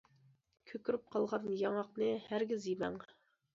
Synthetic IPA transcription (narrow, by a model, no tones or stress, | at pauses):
kʲʰøkʲyɾyp̚qʰɑlˠʁɑnjɑŋɑqnɨhæɾɡʲizjimɛ̰ŋ